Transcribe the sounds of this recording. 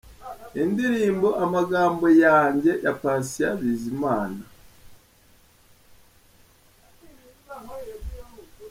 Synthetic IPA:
indiɾiːmbo̞ʔamaɡaːmbo̞jaːɲɟe̞jakaːnsijaβiːzimaːna

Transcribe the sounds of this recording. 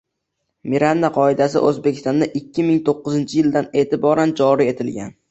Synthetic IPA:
miɾanːaqʰɒɪd̪asɪ̰ʔɵzbekʲʰɪ̥st̪ɒnd̪aʔɪkʲːɪmɪŋt̪ʰoqːɨzɪnt͡ʃʰɪjɪld̪ane̞ːt̪ʰɪbɒɾand͡ʒɒɾie̞t̪ʰɪlɡʲa̰n

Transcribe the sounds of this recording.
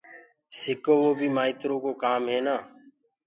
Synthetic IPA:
sɪkoːʋoːbʱiːmaːiːt̪ɾõːkoːkaːmɦeːnaː

